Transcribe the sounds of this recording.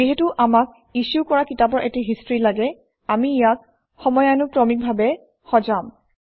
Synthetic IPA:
iɦetuʔamak̚ | isukɔɹakitapɔɹʔɛtiɦistɹilaɡɛ | amiːjak̚ | xɔmɔjanʊpɹɔmik̚bʱabɛ | xɔd͡ʒam

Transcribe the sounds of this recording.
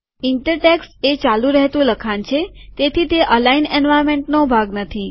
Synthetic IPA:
ɪɳʈəɾʈɛkset͡ʃalũɾəɦet̪ũləkʰant͡ʃʰet̪et̪ʰit̪eʔəlainɛnʋajɾmẽɳʈnobʱaɡnət̪ʰi

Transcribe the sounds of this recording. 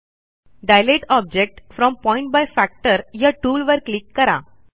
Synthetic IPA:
ɖajleʈɔb̚d͡ʑek̚ʈfɾɔmpɔiɳʈ̚bajfæk̚ʈəɾjaʈuːlʋəɾklikːəɾa̰

